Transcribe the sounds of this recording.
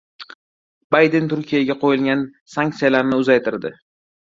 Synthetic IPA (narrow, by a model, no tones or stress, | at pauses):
bajd̪ent̪ʰʊɾkʲʰijaɡʲaqʰojɪlɡʲan | saŋk̚t̪sijalaɾnɪʊzajt̪ʰɪɾd̪ɪ